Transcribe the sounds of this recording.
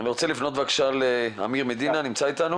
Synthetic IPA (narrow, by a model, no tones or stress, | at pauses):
veʁot͡selifno̞t̪vakʃalea̰miʁmed̪inanimt͡sait̪anu